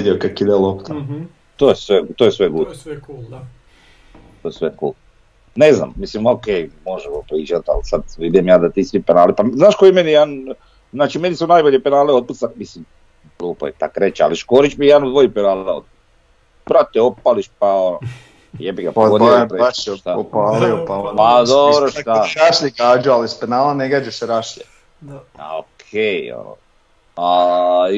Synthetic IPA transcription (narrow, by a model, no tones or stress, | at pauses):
d̪iokakid̪elˠopt̪ʰa | t̪oːjesʋet̪ojesʋeɡud̪ku | t̪ojesʋekṵːl | nezna̰mmislimokejmo̞ʒɛopɾiːd͡ʒat̪a̰lsad̪ʋid̪imjaːd̪at̪iːsʋipenaːlipaznaːʃkojimenijed̪an | znaːt͡ʃimenisunajboʎepenaːleod̪̚put̪samislim | klˠuːpo̰jet̪a̰kɾet͡ʃa̰liʃkoːɾit͡ʃmijɛd̪anud̪ʋojipenaːleo̰d̪̚pu | bɾat̪ɛopaliʃpaono | jebiɡapood̪pɾeaʃt̪aopalioapad̪obɾoʃt̪aɾaʃlikaːd͡ʒualispenaːlaneɡad͡ʒeʃseɾaʃe | a̰o̰kʰejo̰no̰ | a